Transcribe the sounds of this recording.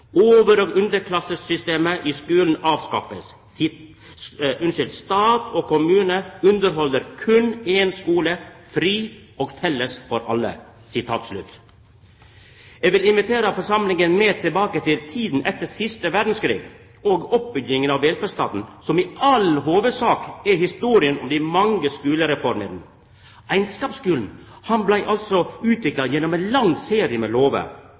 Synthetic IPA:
oːʋəɾoːɡʉnd̪əɾkʰlɑsəsʏst̪eːməʔɪskʉːln̩ɑːʋskɑ̰fəs | ʉnʃʏlt̪st̪ɑːt̪ʰɔkʰʊmʉːnəʉnd̪əɾɦɔlːəɾkʰʉnɛːnskuːləfɾiː | oːɡfɛlːəsfɔɾɑ̰lːə̰ | sɪt̪ʰɑ̰ːt̪slʉ̰t̪ | eːɡʋɪlɪnʋɪt̪ʰeːɾəfɔɾsɑmlɪŋənmeːɾt̪ʰɪlbɑːkət̪ɪlt̪ʰiːd̪n̩ʔɛt̪ːəsɪst̪əʋæɖn̩skɾḭːɡ | oːɡɔp̚bʏɡɪŋənɑʋɛlfəst̪ɑ̰ːt̪n̩sɔmɪɑlɦoːʋəd̪sɑːkæhɪst̪uːɾɪənɔmd̪ɪmɑŋːəskʉːləɾɛfɔɾmə̰ɾnə | æɪnskɑːpskʉːln̩ | hɑnblæɪʔɑlt̪sɔʉːt̪ʰʋɪklɑd̪jɛnːɔmæɪnlɑŋseːɾɪəmɛːloːʋə̰

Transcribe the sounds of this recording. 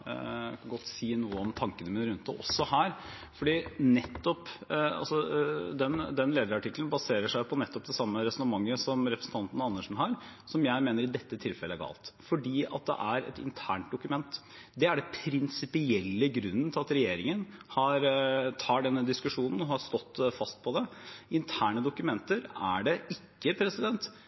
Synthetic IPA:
kɑɡɔt̪ːsiːnuːəɔmt̪ʰɑŋkənəmɪnɾʉnt̪d̪ɛʔɔ̰sːɔhæːɾ | fɔɖiːnɛt̪ːɔpɑ̰lsɔd̪ɛnd̪ɛnleːd̪əɾɑʈɪklnbɑseːɾəʂæɪpʰɔnɛt̪ːɔp̚d̪ɛsɑmːəɾɛsɔnəmɑŋːəsɔmɾɛpɾəsn̩t̪ʰɑnt̪ən̩ɑnːəʂn̩ɦɑːɾsɔmjæɪmeːnəɾɪd̪ɛt̪ːət̪ʰɪlfɛləæɡɑ̰ːlt̪fɔɖiːɑ̰t̪̚d̪ɛ̰ʔæɾɛ̰t̪ɪ̰nt̪ʰæːɳʈ̚d̪ʊkʉmɛnt̪ | d̪ɛæɖɛpʰɾɪnsɪpɪɛlːəɡɾʉnːənt̪ʰɪlɑt̪ɾɛjeːɾɪŋənhɑɾt̪ʰɑːɖɛnːəd̪ɪskʉʂuːnən̩ɔhɑst̪ɔt̪ːfɑst̪̚pʰɔd̪ɛɪnt̪ʰæːɳəd̪ʊkʉmɛnt̪əɾæɖɛɪkːəpʰɾɛsɪd̪ɛnt̪

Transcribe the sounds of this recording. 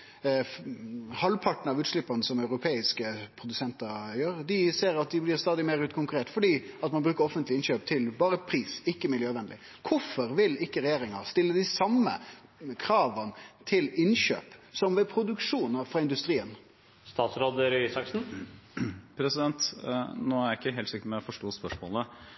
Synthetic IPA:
hɑlpʰɑʈn̩ɑʋʉːt̪ʂlɪpːɑnəsɔmɑʉɾʊpʰeːɪskəpʰɾʊd̪ʉsɛnt̪əɾjøːɾd̪ɪseːɾɑt̪̚d̪ɪblɪʁst̪ɑːd̪ɪmeɾʉːt̪kʰʊŋkʉɾeːʈ̪fɔɖiːɑt̪mɑnbɾʉːkəɾɔfənt̪lɪɪnɕøːp̚t̪ʰɪlbɑːɾəpʰɾiːsɪkːəmɪljøːʋɛnlɪ̰ | kʰʊfɔɾʋɪlɪkːəɾɛjeːɾɪŋə̰st̪ɪlːəd̪ɪsɑmːə̰kʰɾɑːʋənt̪ʰɪlɪnɕø̰ːpsɔmʋɛpʰɾʊd̪ʉkʂuːnəɾfɾɑɪnd̪ʉst̪ɾiːən | st̪ɑːt̪sɾoːd̪əɾsɑksn̩ | pʰɾɛsɪd̪ɛnt̪noːæɾɪkːəɦɛːlsɪkːəmɛɔfɔʂʈoːspœʂmo̰ːlə

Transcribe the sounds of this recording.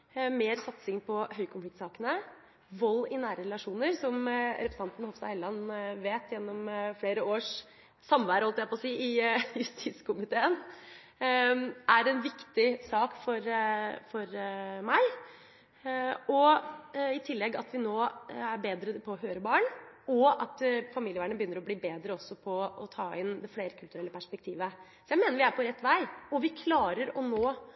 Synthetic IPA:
meːɾsɑt̪sɪŋpʰɔhœʏkʰʊnflɪk̚t̪sɑːkənə | ʋɔlːɪnæːɾəɾɛlɑʂuːnəɾsɔmɾɛpɾəsɑnt̪n̩hɔfst̪ɑhɛlːɑnʋeːt̪ʰjɛnːɔmfleːɾəoːʂ | sɑmʋæːɾəɑlt̪æpɔsiːɪjʉst̪ʰiːt̪skʰʊmɪt̪ʰeːən | æɾɛnʋɪkt̪ɪsɑːkfɔɾfɔɾmæɪ | ɔ | ɪt̪ʰɪlːɛɡːɑt̪ʋɪnoːæɾbeːd̪ɾəpʰɔɔɦøːɾəbɑːɳɔɑt̪fɑmiːljəʋæːɳəbəjʏnːəɾɔbliːbeːd̪ɾəɔsɔpʰɔɔt̪ʰɑːɪnd̪ɛfleːɾəkʰʉlt̪ʉɾɛlːəpʰæʂpɛk̚t̪ʰiːʋəsɔjæɪmeːnəɾʋɪæɾpʰɔɾɛt̪ːʋæɪɔʋɪkʰlɑːɾəɾɔnoː

